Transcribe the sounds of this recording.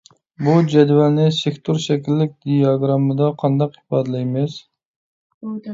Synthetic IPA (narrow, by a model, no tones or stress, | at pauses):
bud͡ʒɛd̪vɛlnɪsekʲt̪ʰuɾʃɛkʲilːɪk̚ʲd̪ijɑɡɾɑmɨd̪ɑqʰɑnd̪ɑqi̥pɑːd̪ɨlɛjmɪs